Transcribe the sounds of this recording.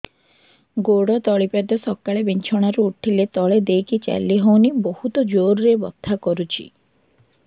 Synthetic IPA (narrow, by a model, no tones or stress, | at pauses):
ɡoɽɔt̪ɔɭipad̪ɔsɔkːaɭebiɲt͡ʃʰɔɽ̃aɾuuʈʰilet̪ɔɭed̪ejkit͡ʃa̰lːiɦownibohut̪ɔd͡ʒoɾɾebɔ̰t̪ʰːakɔɾut͡ʃʰḭ